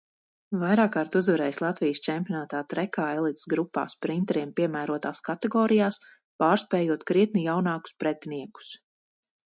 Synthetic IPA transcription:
vajɾaːkːaɾt̪uzvaɾɛːjslˠat̪vijst͡ʃɛmpʲiɔnaːt̪aːt̪ɾɛkaːɛlˠit̪sɡɾupːa̰ːspɾint̪ɛɾiɛmpiɛmæːɾuɔt̪aːskat̪ɛɡɔːɾijaːs | paːɾspɛːjuɔt̪kɾiɛt̪nijawnaːku̥spɾɛt̪niɛku̥s

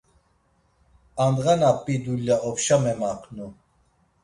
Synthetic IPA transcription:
and̪ʁanapʼːid̪ulːaɔpʃamɛmaqʰʼnu

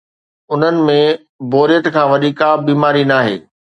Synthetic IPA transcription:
ʊn̤ənɪ̆mẽ | boːɾijət̪kʰãːʋɐd̪ʱiːkabiːmaːɾinaːɦḛː

